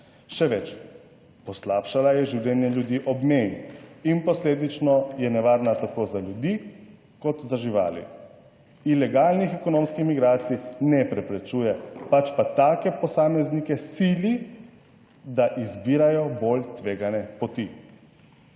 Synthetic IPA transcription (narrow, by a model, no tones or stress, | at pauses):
ʃɛʋɛt͡ʃ | pɔslaːpʃalajɛʒiwlʲɛnjɛljud̪iːʔɔbmeninpɔsleːd̪it͡ʃnɔjɛnɛʋaːɾnat̪akozaljud̪iː | kɔt̪zaʒiʋa̰ːlḭ | ilɛɡaːlnixɛkɔnoːmskixmiɡɾaːt̪sinɛpɾɛpɾɛt͡ʃuːjɛpat͡ʃpat̪aːkɛpɔsaːmɛznikɛsili | d̪aʔizbiːɾajɔbolt̪ʋeːɡanɛpɔt̪i